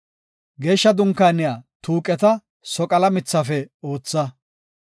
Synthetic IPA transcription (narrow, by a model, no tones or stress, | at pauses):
ɡe̞ːʃːɐd̪ʊŋkːaːnɪjaːt̪uːkʼɛt̪ɐ | sɔkʼɐlɐmɪt͡sːɐfɛo̞ːt͡sːɐ